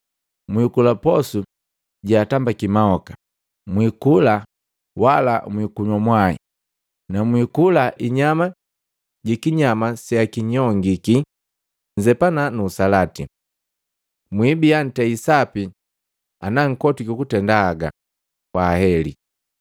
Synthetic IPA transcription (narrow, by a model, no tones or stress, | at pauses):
mwikulapɔsu | ɟaatambakimaɔkḁ | mwikula | wala̰mwikuɲwamwaḭ | namwikulaʔiɲama | ɟikiɲamasiakiɲɔŋɡiki | ɲd͡ʒɛpananuːsalatḭ | mwibijan̩tɛisapi | anaŋ̩kɔtikukutɛndaːɡa̰ | kwaːhɛlḭ